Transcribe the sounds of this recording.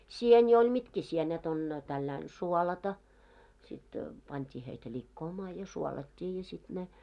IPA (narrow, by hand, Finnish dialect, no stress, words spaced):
sieni olʲ mitkæ sienet on tælːæin suolɑtɑ sit pɑntʲiː heitæ lʲikːoːmɑː jɑ suolɑtʲːiː jɑ sit ne